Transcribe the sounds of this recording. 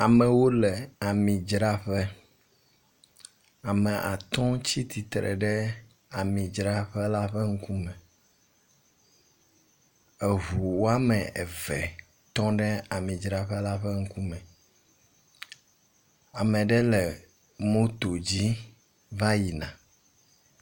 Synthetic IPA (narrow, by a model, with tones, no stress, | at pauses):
a˨mɛ˨wo˦lɛ˨a˨mĩ˨d͡ʒɾa˦ɸɛ˦ | a˨mɛ˨ʔa̰˨t̪ɔ̃˦t͡ɕi˦t̪i˨t̪ɾɛ̰˨ɖɛ˦ | a˨mĩ˨d͡ʒɾa˦ɸɛ˦la˦ɸɛ˦ŋ̩˦ku˦mɛ̃˨ | ɛ˨ɦu˨wo˦a˦mɛ˨ʔɛ˨vɛ˨ | t̪ɔ̃˦ɖɛ˦a˨mĩ˨d͡ʒɾa˦ɸɛ˦la˦ɸɛ˦ŋ̩˦ku˦mɛ̃˨ | a˨mɛ̃˨ɖɛ˦lɛ˨ | mõ˦t̪o˨d͡ʑi˦ | va˦ji˨nã̰˨